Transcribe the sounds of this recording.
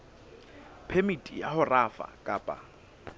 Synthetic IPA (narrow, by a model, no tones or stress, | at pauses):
pʰemitʼijahʊrafa̰kʼaːpʼa̰